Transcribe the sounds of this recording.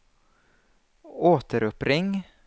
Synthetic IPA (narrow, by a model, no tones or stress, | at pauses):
oːt̪əɾɔpɾɪŋ